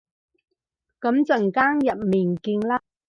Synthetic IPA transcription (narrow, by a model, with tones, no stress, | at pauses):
kɐ˨˥mt͡sɐ˨ŋkaː˥ŋjɐ˨t̚miː˨˩nkiː˧nlaː˥